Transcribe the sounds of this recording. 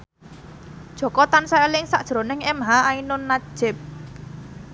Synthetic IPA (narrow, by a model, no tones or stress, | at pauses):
d̥ʒ̥o̤kɔt̪ansaelɪŋsaʔ̚ʒ̥ɾo̤nɪŋɛmɦaainʊnːḁʒ̥ɪp̚